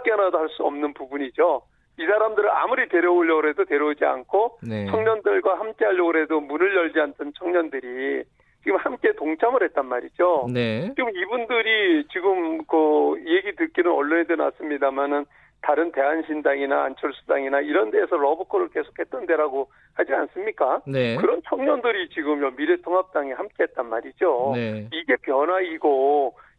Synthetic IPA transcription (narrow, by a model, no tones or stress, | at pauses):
k͈jʌnadohaɭs͈uʌ̰mnɯnpubuɲid͡ʑo | isʰaɾamdɯɾɯna̰muɾite̞ɾjʌoʎjʌɡɯɾe̞dote̞ɾjʌud͡ʑia̰nkʰont͡ɕʰʌŋɲʌndɯɭɡwahamk͈e̞ɦaʎːʌɡɯɾɦe̞domunɯɭjʌʎd͡ʑiantʰɯnt͡ɕʰʌŋɲʌndɯɾi | t͡ɕiɡɯmhamk͈e̞toŋt͡ɕʰamɯɭɦe̞t̚t͈anmaɾid͡ʑonet͡ɕiɡɯmibundɯɾit͡ɕiɡɯmkɯieɡitɯk͈inɯnʌɭːonedena̰s͈ɯmɲidamanɯn | taɾɯnte̞ɦanɕʰindaŋina̰ːnt͡ɕʰʌɭs͈ʰudaŋinaiɾʌnde̞ːsʰʌɾʌbɯkʰoɾɯɭke̞sʰo̥k̚ʰhet͈̚ʌnde̞ɾaɡo | had͡ʑia̰ns͈ɯmɲik͈anekɯɾʌnt͡ɕʰʌŋɲʌndɯɾit͡ɕiɡɯmjʌmiɾetʰoŋɦap̚t͈aŋihamk͈e̞ɦet̚t͈anmaɾid͡ʑoiɡe̞pjʌnaiɡo